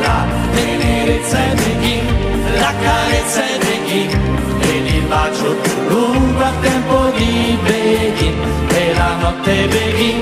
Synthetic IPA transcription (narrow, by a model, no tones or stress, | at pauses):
a̰ | eneɾet̪saveɡi | lakːaɾɛt̪sːaveɡi | elːifat͡ʃːo | luŋkalt̪ɛmpod̪ibeɡi | elanɔt̪ːeveɡi